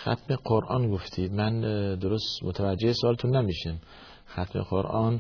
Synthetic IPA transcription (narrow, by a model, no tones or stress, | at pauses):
xæ̰t̪meqoɾʔɒːnɡoft̪ʰiːd̪mænd̪oɾost̪mot̪ʰævæd͡ʒːehesoɒːlet̪ʰunːæmiːʃim | xæt̪ʰmḛqoɾʔɒːn